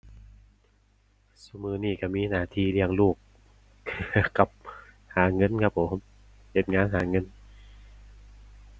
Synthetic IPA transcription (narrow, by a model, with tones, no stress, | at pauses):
su˧˩mɯː˧˩niː˧˩ka˧˩miː˧naː˧˩t̪ʰiː˧li˧˩əŋluː˥˩k̚ʰː | ka˨˩p̚ | haː˩˦ŋɤ˧˥˨nkʰa˦˥p̚ʰːo˨˩˦m | he˨˩t̪̚ŋaː˧˥nɦaː˩˦ŋɤ˧˥n